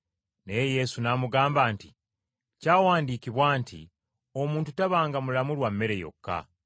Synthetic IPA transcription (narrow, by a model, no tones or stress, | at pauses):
ne̞jeje̞sunaːmuɡaːmbaːnti | caːwaːndiːkiβwaːntḭ | o̞muːntutaβaːŋɡamulamulwamːe̞ɾe̞jo̞̰kːa̰